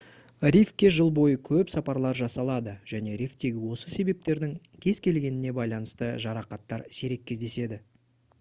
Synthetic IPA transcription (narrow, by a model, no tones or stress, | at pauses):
rʲifkʲːe̞ʒəlˠbo̞jəkʲʰɵpsɑpɑɾlˠɑɾʒɑsɑlˠɑd̪əʒ̥æne̞ɾijft̪e̞ɡʲɪwo̞səse̞be̞p̚t̪e̞ɾd̪ɪŋ | kʲʰe̞zkʲe̞lɡʲe̞nɪne̞bɑjlˠɑnəst̪əʒɑɾɑqɑt̪ːɑɾse̞ɾe̞k̚ʲːezd̪e̞se̞d̪ɪ